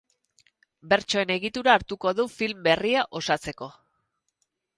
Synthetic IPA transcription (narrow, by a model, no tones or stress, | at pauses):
be̞ɾt͡ʃo̞e̞ne̞ɣit̪uɾaːɾt̪uko̞ðufilmbe̞riaʔo̞sat͡se̞ko̞